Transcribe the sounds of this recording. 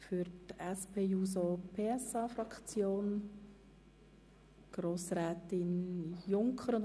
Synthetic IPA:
fyɾtɛspʰeːjuːs̬opʰeːɛsɑːfɾɑkt͡sjoːn | ɡ̥ɾoːsɾɛːt̪ɪnjʊŋkʰχəɾʊn

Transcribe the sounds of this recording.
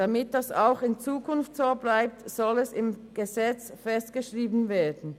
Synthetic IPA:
d̥amɪt̚d̥ɑsa̰ʊxɪnt͡suːkʰʊnftsoːblaɪp̚tz̥ɔlɛsɪmɡ̥əzɛt͡sfɛstɡ̥əʃʁiːbn̩vɛːɐdn̩

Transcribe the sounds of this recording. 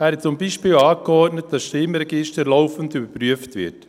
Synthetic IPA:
æːɾhɛtt͡sʊmbiːʃpiːlɑːkəɔɾtnətd̥ɑsʃtɪmɾɛɡɪʃtəɾlɔʊfən̩dybəɾpɾyəftvɪ̰t

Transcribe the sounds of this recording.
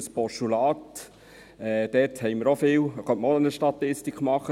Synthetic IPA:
əspɔʃtulɑːt | ɛd̥ɛthɛɪməɾofɪːwχœntmɔənəʃtɑt̪ɪstikχmɑχə

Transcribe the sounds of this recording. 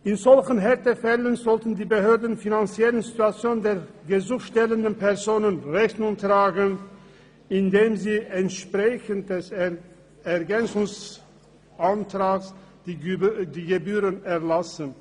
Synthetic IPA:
ʔɪnzɔlçənɦɛʁtəfɛlənzɔltn̩diːbəɦøːɐdn̩finant͡siɛlənzituat͡sjoːndeːɐɡəzʊxʃtɛləndənpʰɛʁzoːnənʁɛçtnʊŋtʁaːɡən | ɪndeːmziːʔɛntʃpʁ̥ɛçənt̚d̥ɛs | ɛɐɡɛnt͡sʊŋs | ʔantʁ̥aːks | diːɡəbyːʁənɛɐlasən

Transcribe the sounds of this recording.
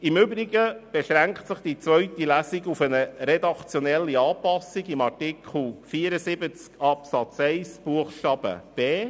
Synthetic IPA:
ɪmʏbɾiɡəb̥eʃɾæŋktsɪχd̥it͡sʋœɥtilæsiɡufənəɾɛd̪ɑkt͡sjonɛlːiɑːpɑsːiɡimɑrtikʰl̩ˠfiːəɾəsɪbət͡skɑpsɑt͡sɛɪsb̥uəχʃtɑb̥ə̰b̥eː

